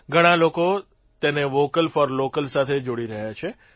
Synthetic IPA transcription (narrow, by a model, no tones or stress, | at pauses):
ɡʱəɽ̃aloko | t̪eneʋokəlfɔɾlokəlsat̪ʰed͡ʒoɽiɾəɦjat͡ʃʰe